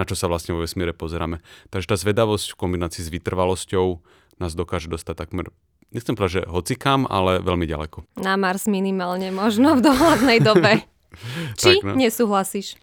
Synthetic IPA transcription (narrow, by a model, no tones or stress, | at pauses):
nat͡ʃɔsaʋlasɲɛʋɔʋɛsmɪɛɾɛpɔzɛɾa̰ːmɛt̪aɡʒɛt̪aːzʋɛd̪aʋɔscfkɔmbinaːt͡siːzʋit̪r̩ʋalɔscɔʊ | naːzd̪ɔkaːʒɛd̪ɔst̪ac̚t̪akmɛɾ | ɲɛxt͡sɛmpɔd̪aʒɛɦɔt͡sikama̰lɛʋɛlmiɟa̰lɛ̰kɔnamaɾzminimaːlɲɛmɔʒnɔvd̪ɔɦlad̪nɛjd̪ɔbɛ | t͡ʃt̪iɲɛsuːɦlasiːʃ